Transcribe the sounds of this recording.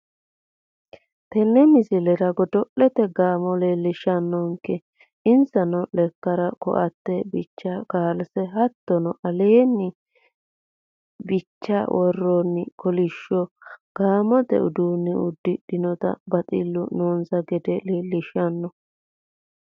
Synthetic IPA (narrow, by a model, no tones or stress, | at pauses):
t̪ɛnːɛmɪsɪlɛɾɐɡɔd̪ɔʔɛt̪ɛɡaːmɔleːlɪʃɐnːɔŋkːɛ | ɪnsɐnɔlɛkːɐɾɐkɔ̰ʔɐt̪ːɛbɪt͡ʃːakaːlsɛhɐt̪ːɔnɔʔɐleːnːɪ | bɪt͡ʃːawʔɔrːɔnːɪkɔlɪʃːɔɡ̥aːmɔt̪ɛ̰ʊ̰d̪uːnːɛʊd̪ːɪɗɪnɔt̪ɐ̰bɐt̪ʼɪ̰lːʊnoːnsɐɡɛd̪ɛleːlɪʃɐnːɔ